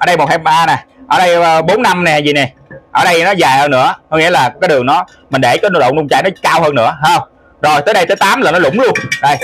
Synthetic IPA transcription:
ʔəː˨˧˩ɗə˧jmo˨˩t̚hɛ˧p̚aː˧nɛ˨˩ʔəː˧˩ɗə˧jːɓo˨˦nːa˧mnɛ˨˩zḭ˨nɛ˨˩ʔəː˧˩ɗə˧jnɔ˨˦zaː˨˩jhəː˧nɨ̰˧˥əkŋḭ˧˥əlaː˨˩kkaː˨˦jɗɨ˨˩əŋnɔ˨˦ | mï˨˩ŋ̟ɗe˧˩kaː˨˦jno˧˦˩ɗo̰˧˨ŋ͡mnʊ˧ŋ͡mt͡ɕa̰ː˧˨jnɔ˨˦kaː˧whəː˧nːɨ̰˧˥əɦəː˧ŋ͡m | zo˨˩jt̪əː˨˦jɗə˧jt̪əː˨˦jt̪aː˨˦mlaː˨˩nɔ˨˦lʊ̰˧˩ŋ͡mlu˧ənɗɔ˨˩j

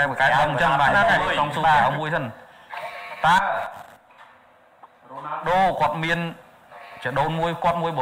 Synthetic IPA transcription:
a˧ə˨˩ka˧ɗmt͡ɕə˧nɓaː˧˩aː˧ka˧˩t͡ɕɔ˧ŋsu˧aː˧˩aː˨˩wmu˧əjsə˧n | t̪aː˧ | ɗoː˧ko˧˩ət̪̚mi˧ən | t͡ɕi˨˩ɗoː˧nmu˧əjkŏ˧ət̪̚mu˧əjɓ

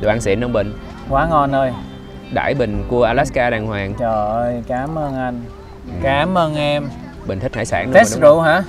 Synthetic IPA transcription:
ɗʔaː˧nsḭ˧˨˩nə˧ŋ͡mɓï˨˩ŋ̟ | kwaː˨˦ŋɔ˧˩nʔəː˧j | ɗa̰ː˧˩jɓï˨˩ŋ̟ku˧əʔaː˧laː˦˥skaː˧ɗaː˨˩ŋhwaː˨˩ŋt͡ɕɔː˨˩ʔəː˧jkaː˨˦mʔəː˧nʔa˧jŋ | kaː˨˦mʔəː˧nʔɛ˧m | ɓi˨˩ŋ̟t̪ʰk̚ha̰ː˧˦jsa̰ː˧˩ŋn˦t̪e˦˥szṵ˧˨ɦa̰ː˧˥

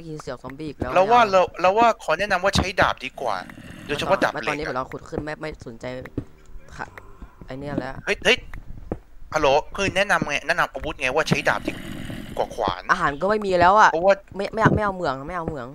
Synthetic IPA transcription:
ma˥˩ki˧nsi˨˩˦wsɔː˩˦ŋbiː˧˩˨k̚lɛː˦˥wlɛː˦˥wwaː˥˩la˧˥˩lɛː˦˥waː˥˩kʰɔː˨˩˦nɛ˦˥˨na˧mwaː˥˩t͡ɕʰa˦˥jdaː˨˩p̚diː˧˦kwa̰ː˨˩do˧jt͡ɕʰpʰɔ˦˥˩da̰˨˩˧leː˧˩ni˦˥˩la˧kʰu˨˩t̪̚kʰɯ˥˩nma˥˩ma˥˩so˩˦nt͡ɕa˧j | kʰa̰˧˩ʔa˧ni˦˥a˨˩lɛː˦˥hɤ˦˥jʰɤ˦˥j | kʰa˧loː˨˩˦pʰɯː˧nɛ˦˥na˧mŋa˧˥jnɛ˦˥ʔna˧mʔa˧wu˦˥t̪̚ŋa˧jwaː˥˩t͡ɕʰa˦˥jda̰ː˨˩p̚diː˧˩kwaː˨˩kʰwa̰ː˩˦nʔaː˧ɦaː˩˦nkɔː˥˩ma˥˩jmiː˧lɛː˦˥wʔa˨˩ɔ˦˥waː˥˩ | ma˥˩ma˥˩ja˧˩ma˥˩jʔa˧wmɯ˧˩əŋ˨˩ma˥˩jʔa˧wmɯ˧˩əŋ

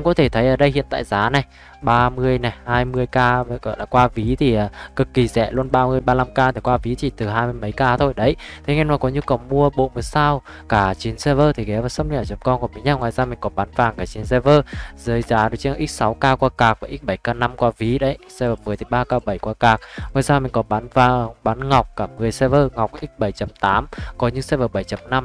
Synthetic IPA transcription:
ɛ˧ŋkɔ˨˦t̪ʰe˧˩t̪ʰə˨˦jʔəː˧˩ɗə˧jhḭ˧˨nt̪a̰ː˧˨jzaː˨˦na˨˩j | ɓaː˧mɨ˧əjnɛ˨˩haː˧jmɨ˧əjkaː˧ɣɔ̰˧˨jlaː˨˩kwaː˧vi˨˦t̪ʰi˨˩ʔaː˨˩kɨ˨˩kːi˨˩zɛ̰˧˨lu˧ənɓaː˧mɨ˧əjɓaː˧la˧mkaː˧t̪ʰi˨˩kwaː˧vi˨˦t̪ʰi˨˩t̪ɨ˨˩ɦaː˧jm˧əjmə˨˦jkaː˧t̪ʰo˧jɗə˨˦jt̪ʰe˨˦ŋɛ˧nmaː˨˩kɔ˨˦ɲu˧kə˨˩wmu˧əɓo̰˧˨mɨ˨˩˦saː˧w | kaː˧˩t͡ɕi˨˦nsɛ˧vəː˧t̪ʰi˨˩kɛ˨˦vaː˨˩sə˧wŋ͡mni˧ɛ˧˨˩t͡ɕə˨˩mkɔ˧nkɔ˨˧˩mi˨˦ɲaː˧˩ŋwa̰ː˧˨jzaː˧mï˨˩ŋ̟kɔ˨˦ɓaː˨˦nvaː˨˩ŋkaː˧˩t͡ɕi˨˦nsɛ˧vəː˧zəː˨˦jzaː˨˦ɗɨ˨˦t͡ɕe˧n˧˩ʔi˦˥t̚sa˨˦wkaː˧kwaː˧kaː˨˩k̚vaː˨˩ʔi˦˥t̚ɓə˧˩jkaː˧na˧mkwaː˧vi˨˦ɗə˨˦jsɛ˧vəː˨˩mɨ˨˩əjt̪ʰi˨˩ɓaː˧kaː˧ɓə˧˩jkwaː˧kaː˨˩k̚mː˨˩saː˧wmï̟˨˩kɔ˨˦ɓaː˨˦nvaː˨˩ɓaː˨˦nŋa˨˩wk͡p̚kaː˧˩mɨ˨˩əjsɛ˧vəː˧ŋa˨˩wk͡p̚ʔi˦˥t̚ɓə˧˩jt͡ɕə˨˦mt̪aː˨˦mkɔ˨˦ɲɨ˧˦ŋsɛ˧vəː˨˧˩ɓə˧˩jt͡ɕə˨˦mna˧m

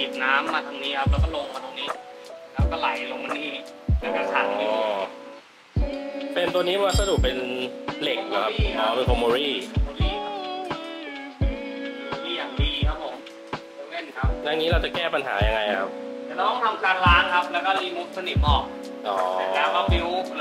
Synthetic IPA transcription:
iː˨˩p̚naː˦˥mːaː˧t̪ʰa˧ŋniː˦˥kʰa˦˥p̚lɛː˦˥˩kɔː˥˩lo˧ŋmaː˧t̪o˧niː˦˥lɛː˦˥˩wkɔː˥˩la˨˩˦jlo˧ŋma˧niː˥˩ | la˧˥ka˥˧˩sʰa̰˨˩i˧ | pe˧nt̪u˧ɐ˧niː˦˥bɛ˧waː˧sa˧du˨˩k̚pe˧nle˨˩k̚na˧˦˩kʰa˦˥ʔɔː˦pe˧nkʰo˧muː˧ɾiː˥˩˧ɾiː˥˩˦ | miː˧˩jaː˨˩ŋdiː˧kʰa˦˥p̚ʰːo˨˩˦m˧ | le˥˩nkʰa˦˥p̚na˧˩ŋiː˦˥ɾa˧wt͡ɕa˨˩kɛː˥˩pa˧nɦa̰ː˩˦ja˧ŋa˧jkkʰa˦˥p̪̚aː˨˩t̪ɔ˥˩t̪ɔ˥˩ŋt̪ʰa˧mkʰaː˦˧˩ŋ̚laː˦˥ŋkʰa˦˥p̚lɛː˦˥wkɔ˥˩liː˧mu˦˥t̪̚kʰa˧ni˦˥t̪̚ʔɔː˨˩k̚ | ʔɔː˦˨˦a˨˩aː˧˩a˧p̚i˦˥w

